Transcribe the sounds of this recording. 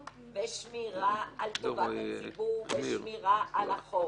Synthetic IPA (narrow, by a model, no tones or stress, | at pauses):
veʃmiʁaalt̪ovatt͡sibuveʃmiʁaalaχo